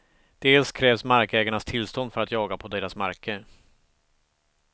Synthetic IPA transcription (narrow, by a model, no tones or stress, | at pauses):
d̪̥eːlskʰɾɛːvsmaɾkɛːɡaɳast̪ʰɪlst̪ɔnd̪fœɾat̪jɑːɡapʰɔd̪eːɾasmaɾkə